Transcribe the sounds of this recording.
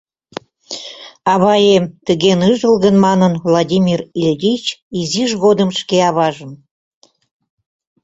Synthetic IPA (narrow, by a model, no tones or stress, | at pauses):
ɑβɑjemt̪əɣenɨʒəlɣənmɑnənvlˠɑdʲimʲirilʲdʲit͡ɕiziʒɣod̪əmʃkeɑβɑʒə̆m